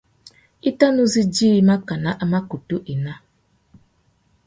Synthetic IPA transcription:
i˦ta˦nu˦zi˦d͡ʒiː˦ma˦ka˨na˦ʔa˦ma˦ku˨tu˦ʔi˨na˦

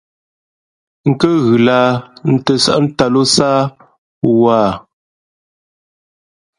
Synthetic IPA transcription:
ŋ̩˨kə˦ɣʉ˨laː˦n̩˨tə˨sa̰˦ʔn̩˦ta˨lo˦saː˦ | waː˦˨

